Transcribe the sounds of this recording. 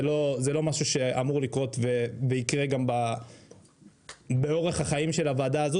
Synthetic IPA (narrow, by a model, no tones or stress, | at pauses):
lo̞zelo̞maʃuʃe̞amuʁlikʁo̞t̪veveikʁeɡamba | be̞o̞ʁe̞χaχaimʃe̞lavaːd̪aːzo